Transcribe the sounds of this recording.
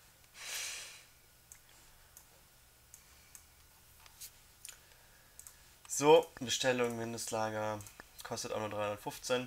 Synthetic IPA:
z̥oːbəʃtɛlʊŋmɪndəstlaːɡɐkʰɔstəta̰nuɐdʁaɪʊndɐtfʊft͡sen

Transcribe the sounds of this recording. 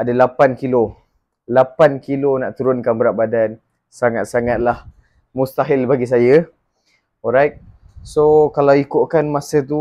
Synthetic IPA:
adalapankilo | lapankilonaʔt̪uɾʊnkanbəɾaʔ̚badan | saŋat̪̚saŋat̪̚lah | must̪aɦɪlbaɡis̬ajə | ɔɾajk̚ | sokalawikoʔkanmasət̪̬u

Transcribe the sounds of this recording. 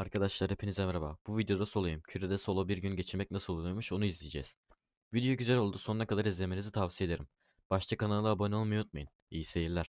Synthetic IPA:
aɾkʰad̪aʃlˠaɾepʰinizɛmɛɾaba̰b̥uvid̪ejo̞d̪aso̞lˠajɯmcʰyɾed̪ɛso̞lˠobiɾɟynɟe̞t͡ʃʰiɾmɛcnasɯlˠolˠujmuʃo̞nuizlʲijed͡ʒɛ̰z̥ | vid̪ijoɟyzeɾo̞lˠd̪uso̞nnakʰad̪aɾizlʲe̞menizit̪ʰavsije̞d̪e̞ɾim | b̥aʃt̪ʰakʰanalˠɯabonʲolˠmajt̪̚majɯn | ijise̞jiɾlʲæɾ̥

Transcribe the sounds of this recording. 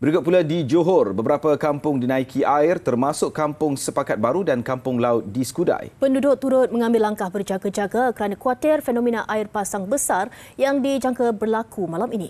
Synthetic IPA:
bəɾikʊt̪̚puladid͡ʒoɦʊrbəbəɾapakampʊŋdinãikʰiʔaɪrt̪ərmãsʊkkːampʊŋsəpakat̪̚baɾudankampʊŋlaʊt̪̚disə̥kuda̰jpəndudʊʔ̚t̪ːuɾʊt̪̚mə̃ŋãmbɪlːaŋkahbərd͡ʒaɡad͡ʒaɡakəɾanãkwatɛrfɛnõminaʔaɪrpasaŋbəsar | jaŋdid͡ʒaŋkabərlakʰumalamini

